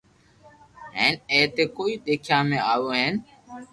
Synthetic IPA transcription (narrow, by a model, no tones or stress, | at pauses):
ɦẽːneːt̪eːkoːiːɗ̪eːkʰjãːmẽːaːʋoːɦẽːn